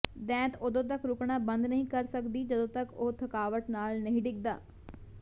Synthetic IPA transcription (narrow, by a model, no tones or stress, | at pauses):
d̪ɛ̃ːt̪od̪õːt̪̬əkɾʊkɳãːbənd̪nəɦĩːkəɾsəkd̪iːd͡ʒəd̪õːt̪əkoːt̪ʰəkaːʋəʈnaːlnəɦĩːɖɪk̚d̪a̰ː